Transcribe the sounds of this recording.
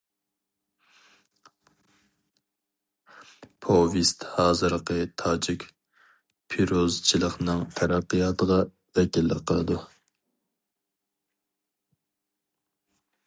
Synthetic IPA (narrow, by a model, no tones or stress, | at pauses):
pʰovist̪hɑːzɨɾqʰət̪ʰɑːd͡ʒikʲ | pʰiɾozt͡ʃʰilˠəχnɨŋt̪ʰæɾæqːɨjɑːt̪ʰəʁɑ | vɛkʲilːɪ̰qʰəlˠɨd̪u